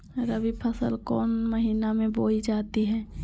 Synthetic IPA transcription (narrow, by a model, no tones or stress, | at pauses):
ɾəbipʰəsə̰lkɔːnməɦiːnamẽboːid͡ʒaːt̪iɦɛ̃ː